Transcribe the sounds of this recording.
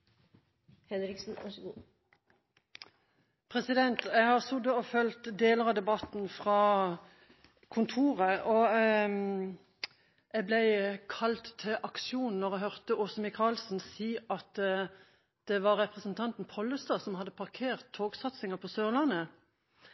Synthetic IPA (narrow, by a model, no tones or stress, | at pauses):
hɛnɾɪksn̩ɑ̰ʂɡṵː | pʰʁɛsɪd̪ɛnt̪æɪhɑːʁsʊd̪əɔfœlt̪d̪eːləʁɑd̪ɛbɑt̪n̩fʁɑː | kʰʊnt̪ʰuːʁəʔɔ | æɡblæɪkʰɑlt̪ʰːɪlʔɑkʃuːnn̩ɔʁæɦhœʁt̪əɔːsəmɪkʰɑːlsnsiːɑt̪ | d̪̥ɛʋɑʁʁɛpʁəsnt̪ʰɑnt̪n̩pʰɔlːəst̪ɑsɔmhɑd̪ːəpʰɑʁkʰeːʁt̪ʰːoːɡsɑt̪sɪŋəpʰɔsøːʁlɑnə